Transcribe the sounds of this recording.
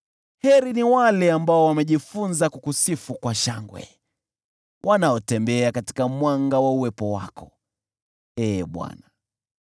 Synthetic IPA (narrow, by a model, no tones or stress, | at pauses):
hɛɾiniwalɛambaɔwamɛʄifunzakukusifukwaʃaŋɡwɛ̰ | wʔanaɔtɛmbɛakati̥kamwaŋɡawauwɛpɔwa̰kɔ | ɛːɓwa̰na